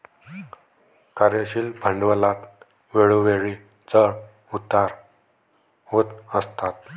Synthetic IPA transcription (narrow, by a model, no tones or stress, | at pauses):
kaɾeɕiːlbʱəɳɖʋəlat̪ | ʋeɭoʋeɭi | t͡sə | ut̪aɾ | hot̪əst̪at̪